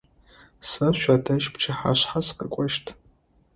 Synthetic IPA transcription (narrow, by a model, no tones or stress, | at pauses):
sɐɕʷaːdʰɐʃpt͡ʃʰɐħaɕħasqɐkʷʼɔʃtʰ